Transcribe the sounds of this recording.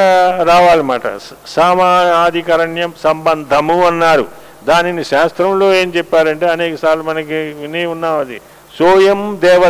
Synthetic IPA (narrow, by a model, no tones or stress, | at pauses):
ɾaːʋaːlimaːʈɐ̰ | saːmaːaːd̪ʱikɐɾɐɳjɐmsɐmbɐnd̪ʱɐmuɐnːaːɾṵ | d̪aːniniʃaːst̪ɾɐmloːeːmt͡ʃɛpːaːɾɐɳʈeːɐneːkɐsaːɾlumɐnɐkiniunːaːmɐd̪ḭ | sɔːjɐmd̪ɛːʋɐ